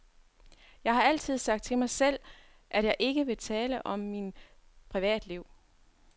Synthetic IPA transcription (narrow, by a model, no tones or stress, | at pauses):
jɑ̈ɪɦhɑ̈æl̰t͡sʰið̞̰ˠsɑ̈ɡ̥̚d̥̚t͡sʰe̝mɑ̈ɪsel̰ | ʔæd̥jɑ̈ɪʔe̝ɡ̥əʋe̝t͡sʰɛːləʔɒ̽mːin | pʰʁiʋɛ̰ːd̥liʊ̰